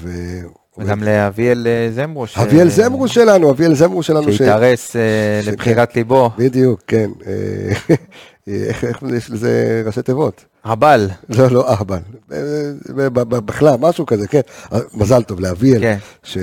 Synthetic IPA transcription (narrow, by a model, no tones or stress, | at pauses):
ve | umɡamleavielezemʁuʃhavielzemʁuʃelanuavielzemʁuʃelanuiʃeaʁeselepχiʁat̪libobid̪ijukːenḛ | eχeχjeʃlezḛʁaʃet̪evo̞t̪ | haballo̞lo̞ʔahbalbeebbbiχlalmaʃukazekenamazalt̪o̞vleavielnʃe